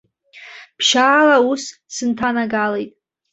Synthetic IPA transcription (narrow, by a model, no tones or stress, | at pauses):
pʰʃaːlaussɨntʰanaɡalejtʼ